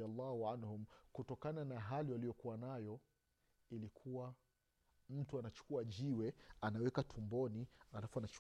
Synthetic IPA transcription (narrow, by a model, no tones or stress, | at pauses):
alːahuanhumkutɔkananaɦaliwalijɔkuwanajɔ | ilikʰuwa | m̩tuanat͡ʃu̥kuaʄiwɛanawɛkatʰumbɔnialafuanat͡ʃ